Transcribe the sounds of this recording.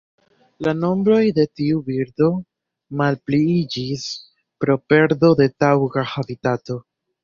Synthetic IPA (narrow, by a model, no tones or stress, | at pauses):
lano̞mbɾo̞jde̞tiubiɾdo̞ | malpliid͡ʒis | pɾo̞pe̞ɾdo̞de̞tawɡahabitato̞